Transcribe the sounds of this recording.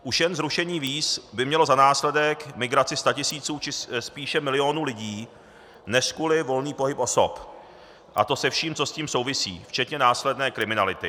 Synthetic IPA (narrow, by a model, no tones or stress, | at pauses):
ʔuʃjɛnzɾuʃɛɲiːviːsbɪmɲɛlo̞zanaːslɛdɛkmɪɡɾat͡sɪst̪acɪsiːt͡suːt͡ʃɪspiːʃɛmɪlɪo̞nuːlɪɟiː | nɛʃkulɪvo̞lniːpo̞ɦɪpʔo̞so̞̰p | ʔa̰t̪o̞sɛfʃiːmt͡so̞sciːmso̞wvɪsḭːft͡ʃɛt̪ɲɛnaːslɛdnɛːkɾɪmɪnalɪt̪ɪ